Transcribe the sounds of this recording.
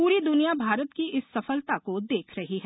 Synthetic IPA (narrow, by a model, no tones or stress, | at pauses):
puːɾid̪ʊnijabʱaːɾət̪kiʔɪsːɐfəlt̪akod̪eːkʰɾɐɦiɦɛː